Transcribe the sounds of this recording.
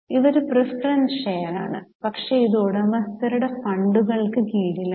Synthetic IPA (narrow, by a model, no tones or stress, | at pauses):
iʋoɾuprɐspɐɾɐnʂeːɐɾa̰ːɳɨpɐkʂe̞iðoːɽɨɐmɐst̪ɐɾuɽe̞fɐɳɖuɣɐɭkɨkiːɽilɐ